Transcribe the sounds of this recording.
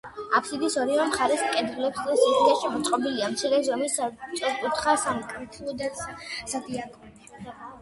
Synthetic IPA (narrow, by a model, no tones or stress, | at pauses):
apʰsid̪isɔɾivamχaɾɛsmkʼɛd̪ɾulɛpsd̪ɛsid̪aʃɛmɔt̪sʼqʼɔbiliamt̪sʰilɛzɔmisat͡ʃʼɛskʼut̪ʰχasamkʼɾit̪ʰlˠɔd̪asad̪iakʼɔ